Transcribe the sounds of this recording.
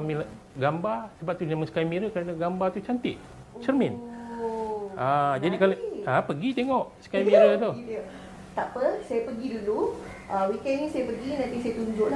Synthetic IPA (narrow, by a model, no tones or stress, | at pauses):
mil | ɡambasəbaʔ̚t̪uaməskajmĩɾəkəɾanaɡambat̪ut͡ʃant̪ɪʔ̪̚ | t͡ʃərmɪ̃n | ʔad͡ʒadikalapəɡit̪eŋɔʔsə̥kajmĩɾət̪u | t̪apəsajapəɡidulu | ʔəwikɛnnĩsajapəɡinãnt̪isajat̪uɲd͡ʒʊʔla